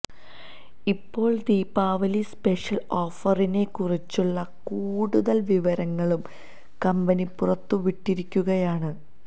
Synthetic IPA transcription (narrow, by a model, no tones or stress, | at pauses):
ipːo̞ːɭd̪iːpːaːʋɐlispeʂɐlo̞ːfɐrine̞kurit͡ɕːuɭːɐkuːɽuðɐlʋiʋɐɾɐŋːɐɭum | kɐmbɐnipurɐt̪ːuʋiʈːiɾikʲːuɣɐjaːɳɨ